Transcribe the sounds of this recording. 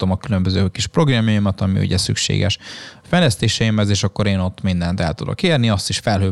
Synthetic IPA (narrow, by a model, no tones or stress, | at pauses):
omɒkylømbøzøːkiʃpro̞ɡrɒmjɑjimɒt̪ɒmḭṵɟɛsy̰kʃḛːɡɛ̰ʃfɛjlɛst̪eːʃɛjimɛzeːʃɒkːo̞ɾeːno̞t̪ːmind̪ɛnt̪ɛ̰lt̪ud̪o̞̰keːrniɒst̪iʃfɛlɦøː